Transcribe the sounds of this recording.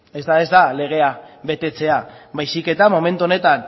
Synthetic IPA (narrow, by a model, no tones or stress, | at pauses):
e̞zd̪aezd̪ale̞ɣ̞e̞aβe̞t̪e̞t͡se̞aβajsike̞t̪amo̞me̞nt̪uo̞ne̞t̪an